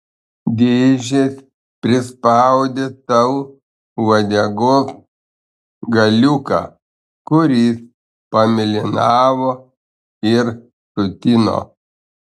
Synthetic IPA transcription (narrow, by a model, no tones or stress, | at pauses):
d̪ʲeːʒʲes | pʲɾʲɪspɑʊd̪ʲeːt̪ɐʊ | ʋɐd̪ʲɛɡoːs | ɡɐlʲʊkɑ̰ː | kʊɾʲiːs | pɐmʲɪlʲɪnɑːʋoː | ɪɾ | t̪ʊt̪ʲɪno̰